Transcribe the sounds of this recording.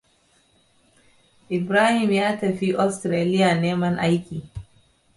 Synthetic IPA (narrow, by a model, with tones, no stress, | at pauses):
ʔɪ˨bɾaː˦hɪ˨mjaː˦tɐ˨ɸi˦ʔɔ˦stɾeː˨lɪ˦ja˨neː˦mɐ˦ŋʔa˦jkʲiː˨